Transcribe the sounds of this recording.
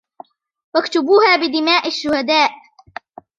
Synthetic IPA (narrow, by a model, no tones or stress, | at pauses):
wakt̪ʊbuːhaːbɪd̪ɪmaːʔaʃːʊhad̪aːʔ